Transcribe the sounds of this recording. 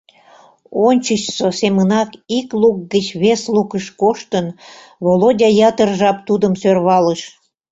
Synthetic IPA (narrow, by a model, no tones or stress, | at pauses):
onʲt͡ɕəɕsosemənɑkikluk̚ɡət͡ɕβeslukəʃkoʃt̪ən | βolodʲɑjɑt̪ərʒɑp̚t̪ud̪əmsørβɑləʃ